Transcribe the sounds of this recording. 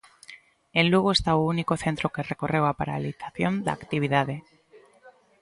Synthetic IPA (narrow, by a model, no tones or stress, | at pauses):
ẽnluɣ̞oest̪aounikoθent̪ɾokerekorewapaɾa̰liθaθjond̪a̰aːkt̪iβiðaðe